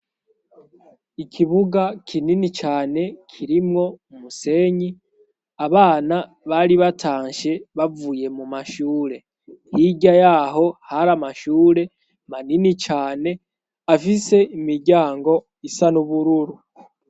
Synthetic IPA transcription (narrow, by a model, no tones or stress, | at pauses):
ikʰiβuɡakʰininit͡ʃaːne̞kʰiɾimŋo̞umuse̞ːɲi | aβaːna | βaɾiβataːɲʃe̞βavuje̞mumaʃuːɾe̞ | hiɟajaɦo̞haɾamaʃuːɾe̞ | maninit͡ʃaːne̞ | afise̞imiɾɟaːŋɡo̞ | isanuβuɾuɾu